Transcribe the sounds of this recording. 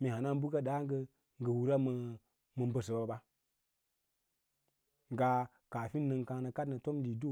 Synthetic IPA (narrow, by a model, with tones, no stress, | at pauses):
mi˨ha˨na˦n˦bu˦ka˦ɗa˦ŋ˦ɡə˧ | ŋ˨ɡə˨wu˨ɾa˦mə˨ | mə˨mbə˨s̬ə˨ba˨a˨ba˦ | ŋɡa˦ | ka˨fi˦nː˦ə˧ŋkã˧nə˨ka˦dnə˨to˦mdi˨do˦˨